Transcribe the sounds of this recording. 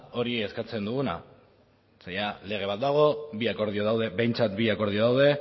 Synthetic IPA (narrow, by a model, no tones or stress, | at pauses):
o̞ɾieskat͡se̞nd̪uɣuna̰ | sajale̞ɣ̞e̞β̞at̪̚d̪aɣ̞o̞biako̞ɾðioðawðe̞be̞jnt͡sat̪biako̞ɾðioðawð̞e̞